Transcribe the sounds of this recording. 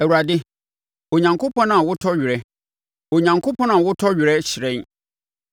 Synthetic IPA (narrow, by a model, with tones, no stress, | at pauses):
ɛ˨wu˨ɾa˨dɪ˦ | o˨ɲã˨ŋkʰo˦pʰɔ̃˦nʊ̃˦ã˨wʊ˦tʰɔ˦ɥɪ˨ɾɛ˦ | o˨ɲã˨ŋkʰo˦pʰɔ̃˦nʊ̃˦ã˨wʊ˦tʰɔ˦ɥᶣɪ˨ɾɛ˦ɕɪ˨ɾɛ̃˦n